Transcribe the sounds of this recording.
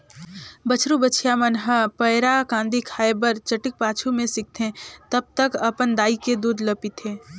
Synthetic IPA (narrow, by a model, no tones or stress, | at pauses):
bət͡ʃʰɾubət͡ʃʰijamənɦəpəɪɾakãːnd̪ikʰaːebəɾt͡ʃɐʈɪk̚paːt͡ʃʰumẽsɪk̚t̪ʰẽt̪ɐb̚t̪əkɐpənd̪aːiked̪uːd̪ləpit̪ʰeː